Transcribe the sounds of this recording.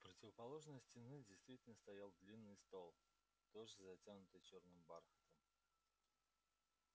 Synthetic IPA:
pɾətʲɪvəpɐlˠo̞ʐnəjsʲtʲɪnɨdʲɪjst̪vʲitʲɪlʲnəst̪ɐjalˠd̪lʲinːɨjst̪o̞lˠ | t̪oʐɨzɐtʲanʊt̪ɨjt͡ɕornɨmbarxət̪əm

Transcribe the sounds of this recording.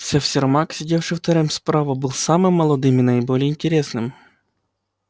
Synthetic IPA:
sʲɛfsʲɪrmaksʲɪdʲefʂɨft̪ɐɾɨmspɾavɐbɨlˠsamɨmːɐlˠɐd̪ɨminɐɪbolʲɪjɪnʲtʲɪɾʲesnɨm

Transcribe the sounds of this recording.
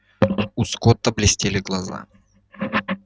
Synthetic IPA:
uskot̪ːəblʲɪsʲtʲelʲɪɡlˠɐza̰

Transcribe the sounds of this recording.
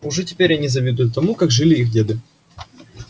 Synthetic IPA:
ʊʐɛtʲɪ̥pʲeɾʲɐnʲizɐvʲid̪ʊjʊt̪ːɐmukaɡʐɨlʲɪixdʲed̪ɨ

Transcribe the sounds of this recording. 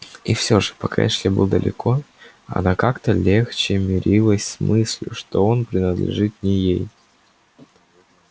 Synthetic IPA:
ifsʲo̞ʐɨ̥pɐkʰa̰jɛʂlʲebɨlˠd̪ə̰lʲɪ̰kʰo̞ | ɐ̰nakakt̪əlʲext͡ɕɪmʲɪɾʲʔilˠəsʲsmɨsʲlʲʊʂt̪o̞o̞npɾʲɪnəd̪lʲɪ̰ʐɨt̪nʲɪjej

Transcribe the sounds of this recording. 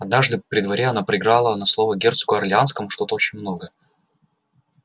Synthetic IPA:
ɐd̪̚naʐd̪ɨpɾʲɪd̪vɐɾʲeɐnapɾəɪɡɾalˠənɐslˠo̞vəɡʲe̞rt̪skʊɐrlʲɪanskəmʊʂt̪o̞t̪əot͡ɕɪnʲmno̞ɡə

